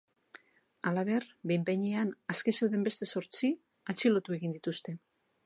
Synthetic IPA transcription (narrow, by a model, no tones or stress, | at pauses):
alaβ̞e̞rbejmpe̞ɲeanaskese̞wðe̞mbe̞st̪e̞so̞ɾt͡si | at͡silo̞t̪ue̞ɣind̪it̪ust̪e̞